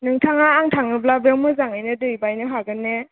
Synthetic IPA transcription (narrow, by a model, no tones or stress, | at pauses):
nɯŋtʰaŋaːŋtʰaŋɯblabewmɯzaŋajnɯdɯjbajnɯɦaɡɯnːe